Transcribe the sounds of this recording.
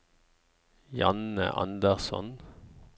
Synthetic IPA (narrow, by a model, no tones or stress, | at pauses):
jɑnə̰ʔɑ̰nd̪əʁsɔ̰n